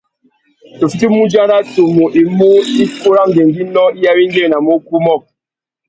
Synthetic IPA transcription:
to˨fi˦ti˦mu˦d͡ʒa˦na˦to˨mo˨ʔi˨mo˦i˦ko˦ɾa˦ŋ˨ɡe˨ŋɡi˦nɔ˦i˦ja˦wi˦ŋ˦ɡe˦˨na˨mo˦ku˦mɔ˦˨

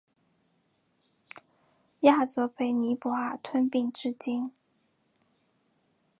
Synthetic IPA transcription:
ja˥˩t͡sɤ˧˥pʰe˧˥˩ɪni˧˥pɔ˧˥a˥˩t̪ʰwə˥npi˥˧ŋʈ͡ʂɻ̩˥˩t͡ɕi˥n

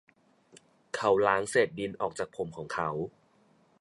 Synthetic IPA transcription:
kʰa˦˥wlaː˦˥ŋseː˨˩t̪̚bi˧nʔɔː˨˩k̚t͡ɕaː˨˩k̚pʰo˨˩˦mkʰɔː˩˦ŋkʰa˦˥w

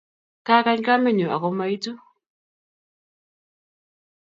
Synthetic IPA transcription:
ka˦ka˦ɲka˦me˦˨ɲu˨a̰˨ko˨˦ma˦i˦tu˦

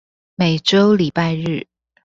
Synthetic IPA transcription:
me˨˩ɪʈ͡ʂo˦ʊli˨˩pa˥˧ɪɻ̩˥˩

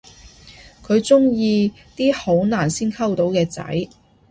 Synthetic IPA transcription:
kʰɵ˨˧ɥt͡sʊ˥ŋjiː˧ | t̪iː˥ho˨˥wnaː˨˩nsiː˥nkʰɐ˥wt̪o˨˥wkɛː˧t͡sɐ̰˨˥j

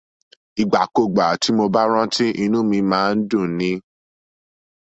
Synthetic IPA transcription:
i˨ɡ͡ba˨ko˧˨ɡ͡ba˨˦ti˨˦mo˧ba˦ɾ̃ã˦ti˦ʔi˧nũ˦mĩ˧mãː˨˦˧n̩˦dũ˦˨nĩ˨˦

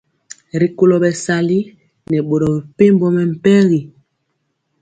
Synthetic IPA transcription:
ɾi˨ko˨lɔ˨bɛ˨sa˨li˦ | nɛ˨ɓo˨ɾɔ˨bɛ˨pe˦mbɔ˦mɛ˨m̩˨pɛ˦ɣi˨

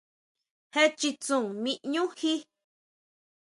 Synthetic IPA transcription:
he˦t͡ʃi˧t͡sũ˨ŋmĩ˧ʔɲũ˦hi˦

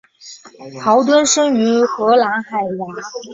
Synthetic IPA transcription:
pʰɑ˧˥ʊt̪̬wə˥nʂɤ˥ŋy˧˥xɤ˧˥la˧˥ŋxa˨˩ɪja˧˥˦

